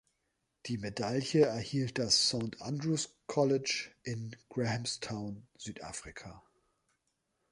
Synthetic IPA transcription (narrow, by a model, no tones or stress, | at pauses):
d̥iːmedaljəɛɐhiːlt̚d̥asːaʊntʔandʁuskʰɔlɪt͡ʃʔɪnɡ̥ʁɛhɛmstʰaʊnz̥yːtʔa̰ːfʁ̥ikʰaː